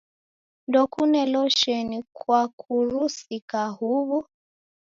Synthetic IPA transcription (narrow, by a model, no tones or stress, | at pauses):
ndɔkunɛlɔʃɛnikwakʰuɾusikahuβu